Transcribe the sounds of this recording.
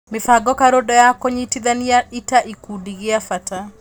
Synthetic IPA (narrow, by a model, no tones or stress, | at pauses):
mɪfaɡɔkaɾodɔjakoɲitid̪aniaitaʔikudiɡɪafata